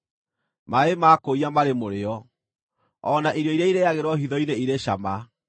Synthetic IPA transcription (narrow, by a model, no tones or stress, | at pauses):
maemakoiamaɾemoɾeɔ | ɔnaʔiɾjɔiɾaiɾejaɣeɾwɔhiðɔineiɾeɕa̰ma